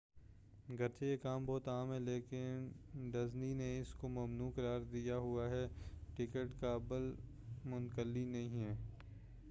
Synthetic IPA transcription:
ɡɐɾt͡ʃʰejekaːmbɔːt̪aːmɦɛleːkɪnɖɐznineɪskomɐmnuːkɐɾaːɾd̪ijaɦʊaɦɛːʈɪkəʈkabəl | mʊnkəlːinɐɦĩɦɛː

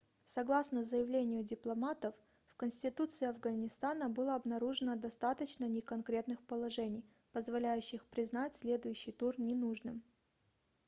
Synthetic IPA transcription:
sɐɡlˠasnəzəjɪvlʲenʲɪjʊdʲɪplˠɐmat̪əfː | kənsʲtʲɪt̪ut̪sɨɪɐvɡənʲɪst̪anəbɨlˠəɐbnɐɾuʐɨnəd̪ɐst̪at̪ət͡ɕnənʲɪkɐnkɾʲe̞t̪nɨxpəlˠɐʐɛnʲɪj | pəzvɐlʲæjʉɕːɪxpɾʲɪznatʲsʲlʲe̞d̪ʊjʉɕːɪjt̪urnʲɪnuʐnɨm

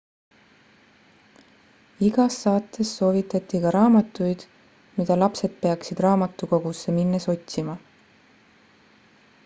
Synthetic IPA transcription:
iɡ̥ɑsːɑːt̪ːˑe̞sːo̞ːvit̪ːˑɑt̪ːˑikɑɾɑːmɑt̪ːˑujd̪̥ | mid̪̥ɑlɑpse̞d̪̥̚pe̞ɑksid̪̥rɑːmɑt̪ːˑuko̞ɡ̥usːeminːeso̞t̪ʲsimɑ

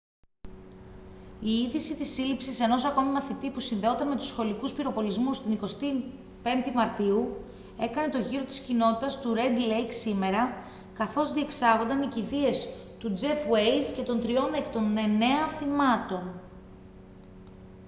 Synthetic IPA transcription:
iiðisit̪isilipsise̞no̞sɐko̞mimɐθit̪ipusinðe̞o̞t̪ɐnme̞t̪u̥sxo̞likuspiɾo̞po̞lizmust̪iniko̞st̪i | pe̞nd̪imɐɾt̪iu | e̞kɐne̞t̪o̞ʝiɾot̪i̥scino̞t̪i̥t̪ɐst̪uɾe̞d̪le̞jksime̞ɾɐ | kɐθo̞zðie̞ksɐɣo̞nd̪ɐniciðie̞s | t̪ud͡ze̞fwejzce̞t̪o̞nt̪ɾio̞nekt̪o̞nene̞ɐθimɐt̪o̞n

